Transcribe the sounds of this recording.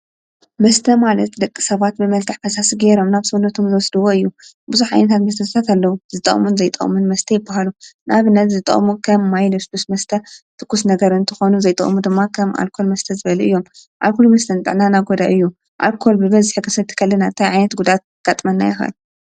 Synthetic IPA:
mɐst̪ʰɐmalɐt̪d̪ɐkʼːisɐβat̪̚bɨmɐlt̪ʰɨħfɐsasiɡeɾo̞mnaβsɨunːɐt̪ʰomzɨwɔsd̪ɨwoɨjːu | buzuħʕa̰jnɐt̪ʰat̪mɐs̬t̪ʰɐsɨt̪ʰat̪alːɐwuzɨt̪ʼɐ̰χʼmunzɐjt̪ʼɐ̰munmɐst̪ʰɐjɪbːaɦalunʔaβɨnːɐt̪zɨt̪ʼɐ̰χʼmukʰɐmːajlɨskusmɐst̪ʰɐt̪ʰʼɨkːusnɐɡɐɾɨnt̪ʰɨxonuzɐjt̪ʼɐ̰ʔʼmud̪ɨmːakʰɐmʔa̰lkʰo̞lmɐst̪ʰɐzɨβɐluʔɨjːo̞mʔa̰lkʰolumɐst̪ʰɐnt̪ʼɨ̰ʕnanaɡo̞d̪aʔɨjːu | ʔa̰lkʰo̞lbɨβɐzħɨkʰɐsɐt̪ʰːɨ̥kʰɐlːɐnat̪ʰajʕajnɐt̪ɡud̪at̪̚ | ɡ̥at̪ʼmɐnːa̰jɐxɐ̰l

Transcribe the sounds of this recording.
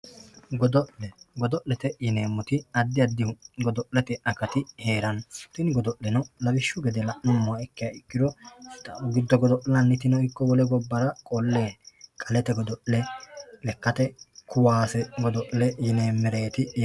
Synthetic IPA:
ɡd̪ɡɔd̪ɔʔlɛt̪ɛjɪneːmːʊt̪ɪɐd̪ːɪɐd̪ːɪhʊɡɔd̪ɔʔlɛt̪ɛʔɐkɐt̪ɪhe̞ːɾɐnt̪ɪnɪɡɔd̪ɔʔlɛnɐlɐbɪʃːʊɡɛd̪ɛlɐʔnɔmːɔɐɛkːɪjɐɪkːɪd̪ɔ | ɡɪd̪ːɔɡɔd̪ɔʔlɐnːɪt̪ɪnɔɪkːɔwɔlɛɡɔbːɐɾɐkʼɔlːeːkʼɐlɛt̪ɛɡɔd̪ɔʔlɛlɛkːɐt̪ɛkʰʊwaːsɛɡɔd̪ɔʔlɛjɪneːmːɛɾeːt̪ɪ

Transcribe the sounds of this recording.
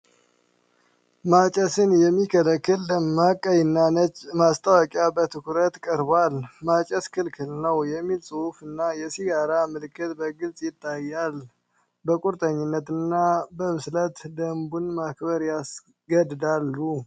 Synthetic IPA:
mat͡ʃʼɛsɨnjɛmːikʰələkːɨlːəmːakʼːəjɪnːanət͡ʃmast̪ʰʼəwɔkʼjabət̪ʰɨkʰuɾət̪kʼəɾbalmat͡ʃʼəskʰɨlkʰɨlnəwjɛmːilsʼɨhufɨnːajɛsiɡaɾamɨlɨkʰːɨt̪bəɡɨlt͡sʼjɪt̪ʼːajːal | bəkʼuɾt̪ʼəɲːɪnːət̪ɨnːabəmɨslət̪d̪əmbunmakbəɾjas | ɡəd̪d̪alːu

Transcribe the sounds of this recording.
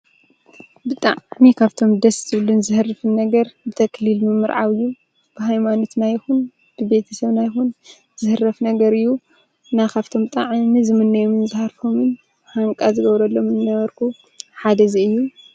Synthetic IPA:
bɨt̪ʼa̰ʕnikʰaβt̪ʰomd̪ɐszɨβɨlunzɨhɨrɨfɨnːɐɡɐɾbɨt̪ʰɐkʰlilmɨmːɨɾʕa̰wɨjːu | b̥ɨɦajmano̞t̪najxun | b̥ɨbe̞t̪ʰɐsɐβnajxun | z̥ɨhɨrɐfnɐɡɐɾɨjːu | nakʰaβt̪ʰo̞mt̪ʼaʕmizɨmɨnːɐjomɨnzɨhaɾfomɨn | haŋkʼazɨɡɐβɾɐlːo̞mɨnɨnɐβɐɾkʰu | ħad̪ɐziɨjːu

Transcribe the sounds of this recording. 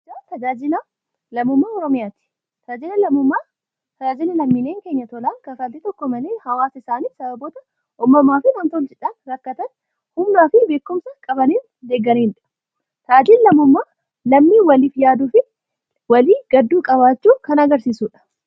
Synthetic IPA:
d͡ʒaːt̪ɐd͡ʒaːd͡ʒɪnɐ | lɐmːʊmːaːɔɾɔmɪjaːt̪ɪ̥ | t̪ʰɐd͡ʒɪnɐlɐmːʊmːaː | t̪ɐd͡ʒaːd͡ʒɪnɐlɐmːiːneːŋke̞ːɲːɐt̪ɔlaːkɐfɐd̪eːt̪ɔkːɔmɐleːhɐwaːsɐɪsaːniːsɐbɐboːt̪ɐ | ʔɔmːɐmːaːfɪmɐnt̪olt͡ʃɪᶑaːnɾɐkːɐt̪ɐn | hʊmnaːfɪbe̞ːkːʊmsɐkʼɐbɐniːn | d̪e̞ːɡːɐniːnᶑɐ̥ | t̪ad͡ʒɪnlɐmːʊmːaː | lɐmːiːwɐlifjaːd̪uːfɪ | wɐliːɡ̥ɐd̪ːuːkʼɐβaːt͡ʃːuːkɐnɐɡɐɾsiːsuːᶑɐ̥

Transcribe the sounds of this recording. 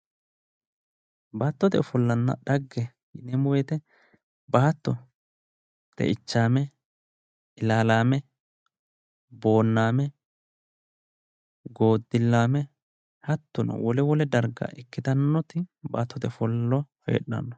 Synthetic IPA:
baːt̪ːɔt̪ɛfɔlːɐnːɐ̰ɗɐɡːɛ | nɛmʊweːt̪ɛ | baːt̪ːɔ | t̪ɛ̰ʔɪt͡ʃːaːmɛ | ɪlaːlaːmɛ | bo̞ːnːaːmɛ | ɡo̞ːd̪ːɪlːaːmɛ | hɐt̪ːʊnɐ̰wɔlɛwɔlɛd̪ɐɾɡɐ̰ʔɪkːɪt̪ɐnːɔt̪ɪba̰ːt̪ːɔt̪ɛfɔlːɔfḛːɗːɐ̰nːɔ

